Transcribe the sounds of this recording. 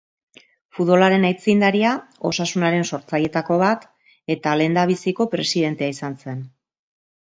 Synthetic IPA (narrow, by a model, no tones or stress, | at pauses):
fuðβo̞laɾe̞najt͡sind̪aɾiao̞̰sasunaɾe̞nso̞ɾt͡saje̞t̪ako̞βat̪ | e̞t̪ale̞nd̪aβ̞isiko̞pɾe̞siðe̞nt̪e̞aisanse̞n